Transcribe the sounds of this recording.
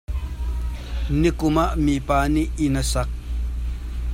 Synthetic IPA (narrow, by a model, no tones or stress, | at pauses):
nikʊmaʔmipaːniʔinɐsɐk̚